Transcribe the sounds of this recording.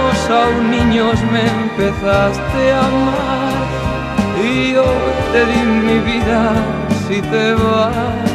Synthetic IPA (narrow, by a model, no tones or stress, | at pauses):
osawniɲozmempeθast̪ɪama | ɾ | iot̪eɾimiβiða | sit̪eβa